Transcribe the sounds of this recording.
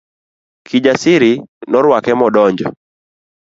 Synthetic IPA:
kʰid͡ʒasɪɾɪnɔɾwakɛmɔdɔɲd͡ʒɔ̰

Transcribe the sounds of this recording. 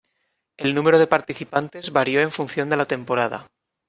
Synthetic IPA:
e̞lnũmeɾo̞ðe̞paɾt̪iθipant̪e̞zβaɾjo̞e̞ɱfunθjo̞nd̪e̞lat̪e̞mpo̞ɾað̞a̰

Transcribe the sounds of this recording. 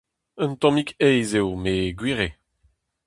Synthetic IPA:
ə̃nt̪ɔ̃mikɛjzewmeɡwiːʁe

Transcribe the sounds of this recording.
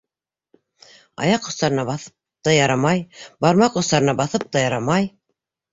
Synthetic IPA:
ɑ̰jɑqːŏst̪ɑɾɤ̆nɑβɑθɤ̥p | t̪ɑjɑɾɑmɑjbɑɾmɑqŏst̪ɑɾɤnɑbɑθɤp̚t̪ɑjɑɾɑmɑj

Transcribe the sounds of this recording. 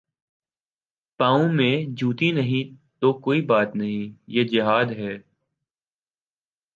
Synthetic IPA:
pãːũmẽd͡ʒʱuːt̪inɐɦĩt̪okoːibaːt̪nɐɦĩjed͡ʒɪɦaːd̪ɦɛː

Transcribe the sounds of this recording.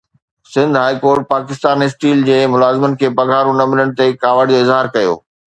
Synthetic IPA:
sɪ̃nd̪ʱɦaːikoːɾʈ̚paːkɪst̪aːniɪsʈiːld͡ʑeːmʊlaːzɪmənɪ̆kʰeːpɐɡʱaːɾũnɐmɪləɽ̃̆t̪ekaːʋəɽd͡ʑoːɪzɦaːɾkɐjo̰ː

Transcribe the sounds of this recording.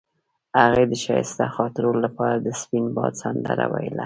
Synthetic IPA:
haɣed̪əʃɑjst̪axɑt̪ɪɾollapɑɾad̪əspinbɑd̪sand̪əɾa̰wajla

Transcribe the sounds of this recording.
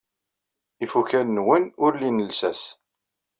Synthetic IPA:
ifuçænnwənʊɾlinəlsæs

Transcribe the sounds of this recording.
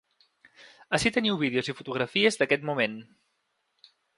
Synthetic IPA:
əsit̪əniwβiðeuzifut̪uɣɾəfiəzðəkɛt̪mumen

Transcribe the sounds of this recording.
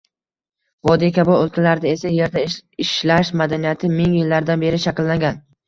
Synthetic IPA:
vɒd̪ikʲʰabɒolˠkʰʲalaɾɪd̪ae̞saje̞ɾd̪aɪʃlaʃmad̪anijat̪ʰɪmɪŋjɪlːaɾd̪anbe̞ɾɪʃakʲɪlːaŋɡʲan

